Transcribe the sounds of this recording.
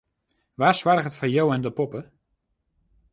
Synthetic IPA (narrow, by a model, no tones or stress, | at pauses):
ʋaːsʋarχətfajowɛndəpɔpə